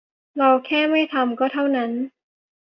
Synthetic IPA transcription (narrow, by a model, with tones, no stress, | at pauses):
ɾa˧wkʰɛː˥˩ma˥˩jt̪ʰa˧mkɔː˥˩t̪ʰa˥˩wna˦˥n